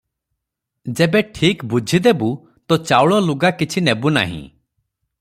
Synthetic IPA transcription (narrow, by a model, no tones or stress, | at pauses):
d͡ʒebeʈʰikbud͡ʒʱid̪ebu | t̪ɔt͡ʃawɭɔluɡakit͡ʃʰinebuna̰ɦḭ̃